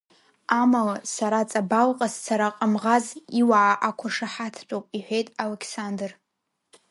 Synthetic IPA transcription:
amalasaɾat͡sʼabalqʼast͡sʰaɾaqʼamʁaziwaʕaʔakʷʰaʂaħatʰt͡pʷʼowpʼiħʷᶣejtʼalekʰsandɨr

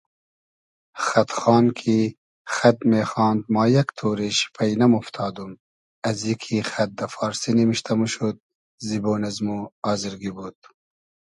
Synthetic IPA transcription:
xɐt̪χɑːnkʰi | xɐt̪meːxɑːnd̪mɑːjɐkt̪ʰuːɾeʃi̥pʰɐjnɐmuft̪ʰɑːd̪um | ɐzjikʰixɐt̪̚d̪ɐfɑːɾsinimiʃt̪ʰɐmuʃud̪̚ | ziboːnɐzmuɑːziɾɡibud̪̚

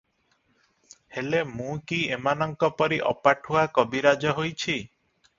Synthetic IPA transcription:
helemũkiemanɔŋkɔpɔɾiʔɔ̰paʈʰɦoakɔbiɾad͡ʒɔɦojt͡ʃʰi

